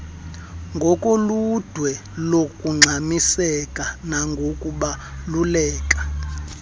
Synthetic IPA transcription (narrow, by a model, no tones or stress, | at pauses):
ŋɡʱɔkʼolud̥ʱwɛ | lokʼuŋ͡ǀʱamisɛkʼanaŋɡʱokʼuɓalulɛːkʼḁ